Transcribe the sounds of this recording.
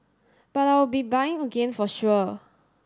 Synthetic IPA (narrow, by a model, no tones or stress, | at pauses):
b̥ataɪjwəbibajɪ̃ŋəɡẽnfɔʃuə